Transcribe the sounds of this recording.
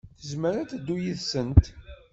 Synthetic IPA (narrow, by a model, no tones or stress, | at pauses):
θəzməɾænt̪d̪ːujiðsənt̪